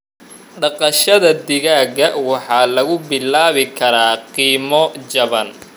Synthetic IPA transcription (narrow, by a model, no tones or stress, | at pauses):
ɖɑqɑʃɐðɐd̪ɪɣaːɡɐwɑħɑːlɐɣʊbɪlaːβɪkʰɐɾaːqiːmɔt͡ʃɐβɐn